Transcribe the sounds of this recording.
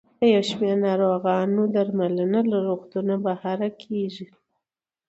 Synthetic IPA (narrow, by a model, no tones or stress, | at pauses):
əjawʃmeɾnɑɾoɣɑnod̪aɾmalənalaɾoɣt̪unabahɑɾakʰeʒi